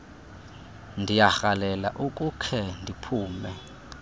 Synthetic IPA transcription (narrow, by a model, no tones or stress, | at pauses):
ndʱijaxalɛla̰ʔukʼukʰɛndʱipʰuːmɛ